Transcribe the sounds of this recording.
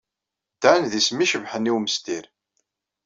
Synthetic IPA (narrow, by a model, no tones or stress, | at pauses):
t̪ːænðismiʃəvħəniwməst̪iɾ